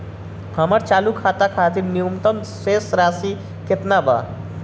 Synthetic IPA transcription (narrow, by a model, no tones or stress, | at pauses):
həməɾt͡ʃaːlukʰaːt̪akʰaːt̪iɾnijumt̪əm | seːsɾaːsi | kɪt̪naba̰ː